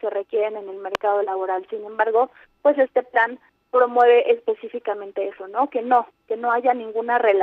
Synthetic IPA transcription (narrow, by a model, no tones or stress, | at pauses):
ke̞re̞kje̞ɾe̞ne̞ne̞lme̞ɾkað̞o̞laβo̞ɾalsinẽ̞mbaɾɣo̞ | pwe̞se̞st̪e̞plan | pɾo̞mwe̞β̞e̞ʔespe̞sifikamẽnt̪e̞e̞so̞no̞ke̞no̞ke̞no̞aʝanĩŋɡunare̞l